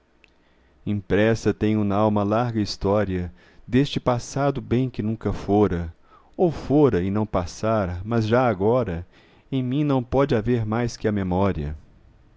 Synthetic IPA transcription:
ĩpɾɛsɐt̪ẽj̃ʊnɐawmɐlaɾɡɐist̪ɔɾiɐ | d̪est͡ʃɪpasad̪ʊbẽj̃kɪnũkɐfoɾɐ | owfoɾɐɪnɐ̃w̃pasaɾɐmɐzʒaaɡɔɾɐ | ẽj̃mĩnɐ̃w̃pɔd͡ʒɪaveɾmajskɪɐmemɔɾiɐ̰

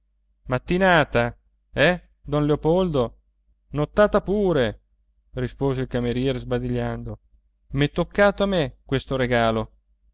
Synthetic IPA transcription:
mat̪ːinaːt̪a | ɛ | d̪ɔnleopold̪o | not̪ːaːt̪apuːɾe | rispoːzeilkameɾjɛːɾezbad̪iʎːand̪o | mɛt̪ːokːaːt̪oamekwest̪oɾeɡaːlo

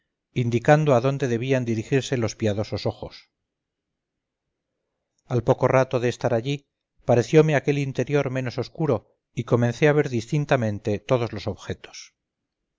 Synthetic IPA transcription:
ind̪ikand̪oaðo̞nd̪e̞ðe̞βiand̪iɾixiɾse̞lo̞spiaðo̞so̞so̞xo̞s | alpo̞ko̞rat̪o̞ðeːst̪aɾaʎi | paɾe̞θjo̞meake̞lint̪e̞ɾjo̞ɾme̞no̞soskuɾo̞ | iko̞menθe̞aβe̞ɾðist̪int̪amẽ̞nt̪e̞t̪o̞ð̞o̞zlo̞so̞βxe̞t̪o̥s

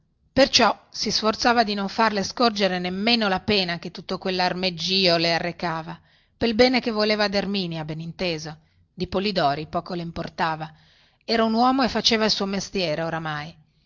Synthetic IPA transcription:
pert͡ʃɔsisfort̪saːvad̪inoɱfarleskord͡ʒeɾenemːeːnolapeːnaket̪ːut̪ːokwelːarmed͡ʒːiːolearːekaːva | pelbɛːnekevːoleːvad̪ermiːnjabenint̪eːzo | d̪ipolid̪ɔːɾipɔːkoleimport̪aːva | ɛːɾaunwɔːmoefːat͡ʃeːvailsuːomest̪jɛːɾeoɾamaj

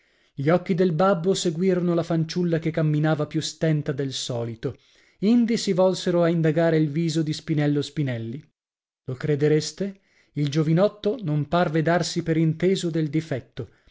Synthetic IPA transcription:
ʎiɔkːid̪elbabːoseɡwiːɾonolafant͡ʃulːakekːamːinaːvapjust̪ɛnt̪ad̪elsɔːlit̪o | ind̪isivɔlseɾoaind̪aɡaːɾeilviːzod̪ispinɛlːospinɛlːi | lokɾed̪eɾest̪e | ild͡ʒovinɔt̪ːonomparved̪arsipeɾint̪eːzod̪eld̪ifɛt̪ːo

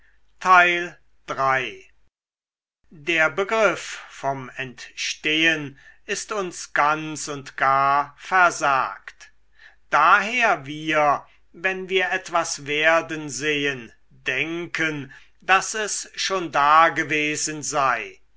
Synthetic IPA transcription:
tʰaɪl | d̥ʁaɪ | deːɐbəɡʁɪffɔmɛntʃteːənɪstʊnsɡ̥ansʊntɡ̥aːɐfɛɐza̰ːkt | d̥aːɦeːɐviːɐ | vɛnviːɐʔɛtv̥asveːɐdənzeːən | dɛŋkʰən | dasɛsʃoːndaːɡəveːzənzaɪ

